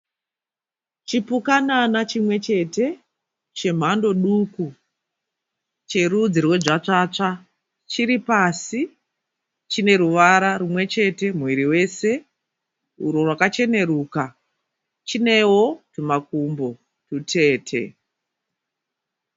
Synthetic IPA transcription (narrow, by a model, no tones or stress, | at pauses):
t͡ʃipukananat͡ʃimwe̞t͡ʃe̞te̞ | t͡ʃe̞m̤ando̞ɗuku | t͡ʃe̞ɾud͡zirwe̞ʐat͡ʂaːt͡ʂa | t͡ʃiɾipasi | t͡ʃine̞ɾuʋaɾarumwe̞t͡ʃe̞te̞muwiɾiwe̞se̞ | uɾorwakat͡ʃe̞ne̞ruːka | t͡ʃine̞wotumakumbo̞ | tutʰe̞ːtʰe̞̰